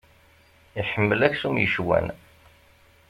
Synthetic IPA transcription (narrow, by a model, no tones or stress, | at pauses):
iħəmːəlæçsumjəʃwæ̰n